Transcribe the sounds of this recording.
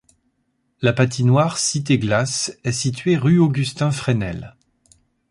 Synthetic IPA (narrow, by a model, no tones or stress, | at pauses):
lapat̪̬inwaʁsit̪̬eɡlasɛsit̪ɥeʁyoɡʲyst̪ɛ̃fχenɛl